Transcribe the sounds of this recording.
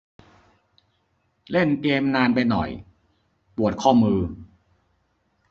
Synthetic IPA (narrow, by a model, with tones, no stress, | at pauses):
le˥˩nk̪eː˧mnaː˧npa˧jnɔ̰˨˩j | pu˨˩ət̪̚kʰɔː˥˩mɯː˧